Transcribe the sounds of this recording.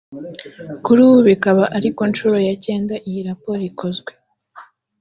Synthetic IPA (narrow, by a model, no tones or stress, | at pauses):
kuɾuβuβikaβaʔaɾiko̞nt͡ʃuɾo̞jace̞ːndaʔijiɾapoːɾikʰo̞zɡwe̞